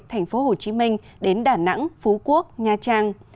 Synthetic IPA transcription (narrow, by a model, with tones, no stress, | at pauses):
t̪ʰɛ˨˩jŋ̟fo˨˦ɦo˨˩t͡ɕi˨˦mï˧ŋ̟ | ɗe˨˦nɗaː˧˩na̰˧˥ŋfu˨˦ku˦˥ək̚ɲaː˧t͡ɕaː˧ŋ